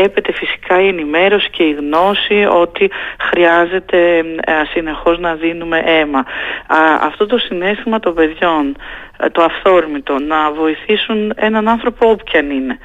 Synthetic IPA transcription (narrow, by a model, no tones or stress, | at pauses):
epe̞t̪e̞fisi̥kɐie̞nime̞ɾo̞si̥ceiɣno̞sio̞t̪ixɾiɐze̞t̪e̞sine̞xo̞znɐðinume̞ʔe̞mɐ | ɐ̰ft̪o̞t̪̬o̞sine̞st̪imɐt̪o̞mbe̞ðʝo̞nt̪oɐfθo̞ɾmit̪o̞nɐvo̞iθisune̞nɐnɐnθɾo̞poopçɐnine̞